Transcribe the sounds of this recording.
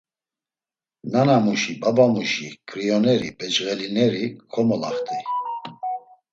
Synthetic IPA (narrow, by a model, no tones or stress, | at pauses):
nanamuʃibabamuʃikʰʼɾijɔnɛɾibɛt͡ʃɣɛlinɛɾikʰɔmɔla̰χt̪ʰʼi